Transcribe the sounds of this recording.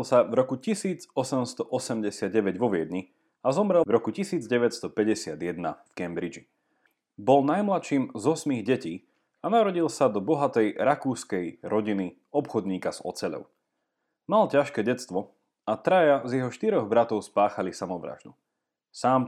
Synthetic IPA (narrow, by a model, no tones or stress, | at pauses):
lsavɾɔkucisiːd͡zɔsɛmst̪ɔʔɔsɛmɟɛsɪad̪̚ɟɛʋɛɟʋɔʋɪɛd̪ɲi | azɔmɾɛvɾɔkucisiːd͡zɟɛʋɛcst̪ɔpɛɟɛsɪad̪jɛd̪̚na̰fkɛmbɾid͡ʒi | bɔlnajmlat̪ʃiːmzɔsmiɣɟɛciː | anaɾɔɟilˠsad̪ɔbɔɦat̪ɛjɾakuːskɛjɾɔɟini | ɔpxɔd̪ɲiːkaz̥ɔ̰t͡sɛlɔ̰ʊ | malcaʃkɛːɟɛt͡st̪ʋɔ | at̪ɾajazjɛɦɔʃt̪iɾɔɣbɾat̪ɔʊspaːxalisamɔʋɾa̰ːʒd̪u | saːm